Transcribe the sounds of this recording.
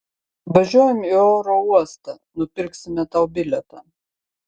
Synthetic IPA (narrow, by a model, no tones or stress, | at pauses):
ʋɐʒʲuɔjɛmioːɾoːuɔst̪ɑ | nʊpʲɪɾksʲɪmʲɛt̪ɑʊbʲɪlʲɛt̪ɑː